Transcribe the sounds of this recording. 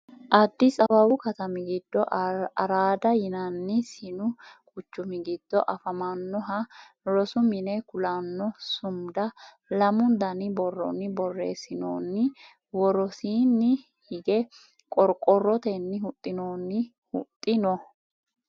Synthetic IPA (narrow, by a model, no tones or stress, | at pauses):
ʔɐd̪ːɪsʼɐbɐbʊkɐt̪ɐmɪɡɪd̪ːɔʔɐɾaːd̪ɐjɪnɐnːɪsɪnʊkʼʊt͡ʃːʊmɪɡɪd̪̥ːɔʔɐfɐmanːɔɦɐ | ɾɔsʊmɪnɛkʊlanːɔsʊmd̪ɐ | lɐmʊnd̪ɐnɪbɔrːɔ̰nːɪbɔrːḛːsɪno̰ːnːɪ | wɔɾɔsiːnːɪ | hɪɡɛ | kʼɔɾkʼɔrːɔt̪enːɪɦʊt̪ʼːɪnoːnːɪ | hʊ̰t̪ʼːɪnɔ